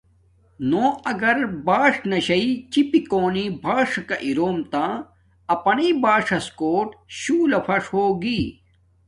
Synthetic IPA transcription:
noːɐɡɐɾbaːʂnɐɕɐit͡ɕipikoːnibʱaːʂɐkɐʔiɾoːmt̪ã | ɐpɐnibaːʂɐskoːʈɕuːlɐpʰɐʂhoːɡiː

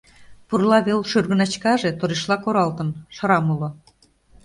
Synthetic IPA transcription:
purlɑβelʃyrɣə̆nɑt͡ɕkɑʒet̪oɾeʃlˠɑkoɾɑlt̪ə̆nʃɤ̆ɾɑmulŏ

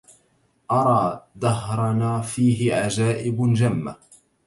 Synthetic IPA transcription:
ʔɑɾˤɑːd̪ɑɦɾˤɑnaːfiːɦɪʕad͡ʒaːʔɪbd͡ʒamːa

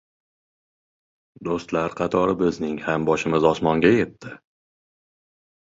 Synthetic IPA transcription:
d̪ost̪laɾqʰɑt̪ʰɒɾɪbɪznɪŋhambɒʃɪmɪzɒsmɒŋɡʲaje̞t̪ʰːɪ

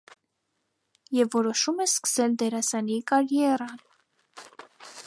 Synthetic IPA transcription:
jɛvːɔɾɔʃumɛskə̥sɛld̪ɛɾɑsɑnikɑɾjɛrɑn

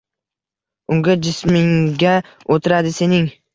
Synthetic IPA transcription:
ʊŋɡʲad͡ʒɪsmɪŋɡʲa | ot̪ʰɪɾad̪ɪse̞nɪŋ

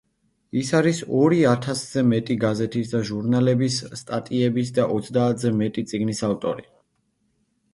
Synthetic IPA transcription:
isaɾisɔɾiat̪ʰasz̥ɛmɛt̪ʼiɡazɛt̪ʰisd̪aʒuɾnalɛbisːt̪ʼat̪ʼiɛbis̬d̪aʔɔt̪sʰd̪aːt̪ʰzɛmɛt̪ʼit̪sʼiɡnisavt̪ʼɔ̰ɾi

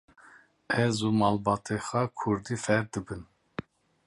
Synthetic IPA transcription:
ɛzumɑːlbɑːt̪ʰexɑːkʰuɾd̪iːfɛɾd̪ɨbɨn

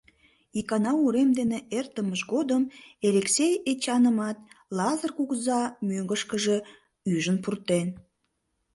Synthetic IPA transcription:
ikɑnɑuɾemd̪eneʔert̪əməʃɡod̪əmeɾeksejet͡ɕɑnəmɑt̪̚lɑzərkuɣzɑmøŋɡəʃkəʒe | yʒənpurt̪en

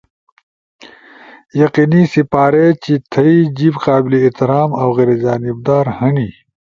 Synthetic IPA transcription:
jɐqinisipaːɾet͡ɕit̪ʰɐid͡ʑibqaːbiliːt̪iɾaːmɐwɣeɾed͡ʑaːnib̚d̪aːɾhɐni

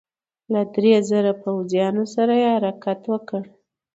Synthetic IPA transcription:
lad̪ɾezəɾapawzjɑnosaɾajehaɾɑkat̪wəkəɽ

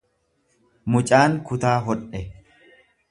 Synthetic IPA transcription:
mʊt͡ʃʼaːŋkʊt̪aːɦɔᶑɛ

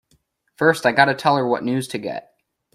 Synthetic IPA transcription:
fɜ˞staɪɡɑɾɨtʰɛlˠə˞wʌ̰ʔⁿnʉz̥tʰɨɡɛ̰t̚

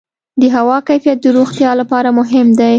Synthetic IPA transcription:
d̪əɦawɑkajfijat̪̚d̪əɾoxt̪jɑlapɑɾamʊɦɪmd̪aj

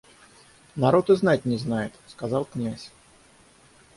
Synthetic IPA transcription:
nɐɾo̞t̪ɨznat̚ʲnʲɪznajɪt̪skɐzɑlˠknʲasʲ

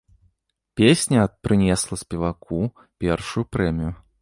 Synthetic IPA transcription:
pʲesʲnʲɐːt̪̚pɾɨnʲɛslˠɐsʲpʲɛvakʰu | pʲɛrʂujupɾɛmʲiju

